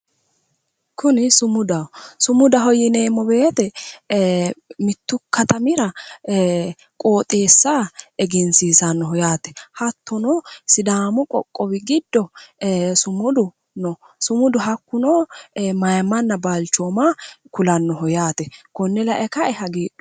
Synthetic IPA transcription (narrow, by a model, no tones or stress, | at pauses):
kʰʊnɪsʊmʊd̪ɐsʊmʊd̪ɐɦɔjɪne̞ːmːɔbe̞ːt̪ɛ | mɪt̪ːʊkɐt̪ɐmɪɾɐ | kʼo̞ːt̪ʼe̞ːsːaɛɡɛnsiːsɐnːɔhɔjaːt̪ɛ̥hɐt̪ːɔnɔsɪd̪aːmʊkʼɔ̰kʼːɔbɪɡɪd̪ːɔ | sʊmʊd̪ʊ | nɔ | sʊmʊd̪ʊɦɐkːʊnomɐjmːɐnːɐbalt͡ʃːoːmakʊlɐnːɔɦɔjaːt̪ɛkɔnːɛlɐʔɛkɐɛhɐɡeːɗʊ̥